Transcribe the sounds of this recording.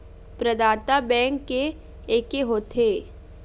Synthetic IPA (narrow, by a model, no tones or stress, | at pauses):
pɾəd̪aːt̪abɛ̃ːŋkːe | eːkeɦoːt̪ʰeː